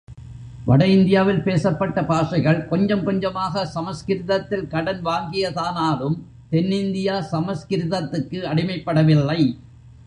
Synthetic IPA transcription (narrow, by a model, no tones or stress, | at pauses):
ʋɐɽɐɪnd̪ɪjaːʋɪlpeːsɐpːɐʈːɐpaːʂɐɪɣɐɭkɔɲd͡ʒɐmkɔɲd͡ʒɐmaːɣɐsɐmɐskɪɾɪðɐt̪ːɪlkɐɽɐnʋaːŋɡɪjɐðaːnaːɾɯm | t̪ɛnːɪnd̪ɪjaːsɐmɐskɪɾɪðɐt̪ːɯkːɯɐɽɪmɐɪpːɐɽɐʋɪlːɐɪ